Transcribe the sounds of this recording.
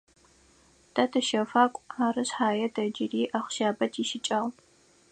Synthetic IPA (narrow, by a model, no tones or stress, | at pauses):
d̥ɐtʰɨʃɐfaːkʷʼaːrɨɕħaːjɐdɐd͡ʒɪriːʔaχʷʊ̥ʃaːbɐtʰiʃɪt͡ʃʼɐːʁ